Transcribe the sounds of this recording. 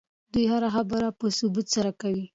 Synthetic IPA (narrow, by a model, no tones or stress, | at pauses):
d̪ujhaɾaxabəɾapəsʊbut̪saɾakawi